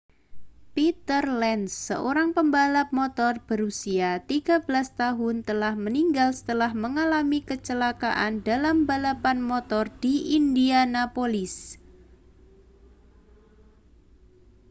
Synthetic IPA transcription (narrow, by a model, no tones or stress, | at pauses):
pit̪ərlɛnsːə̰ʔoɾaŋpəmbalap̚mot̪ɔrb̥əɾusiat̪iɡ̥abəlast̪aɦʊnt̪əlahməniŋɡalsə̥t̪əlahməŋalamikət͡ʃəlaka̰ʔandalambalapanmot̪ɔrd̥iindianapolɪs